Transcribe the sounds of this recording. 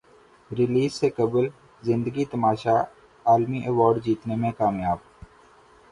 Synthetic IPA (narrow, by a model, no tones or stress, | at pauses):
ɾɪliːzsekɐbl | zɪ̃nd̪əɡit̪ɐmaːʃa | aːlmiʔeʋɔːɾɖd͡ʒiːt̪nemẽkaːmjaːb̚